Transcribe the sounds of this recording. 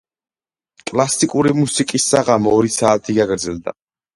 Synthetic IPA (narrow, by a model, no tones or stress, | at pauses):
kʼlˠasikʼuɾimusikʼisːaʁamɔɾisaːt̪ʰiɡaɡɾd̪zɛlˠd̪a̰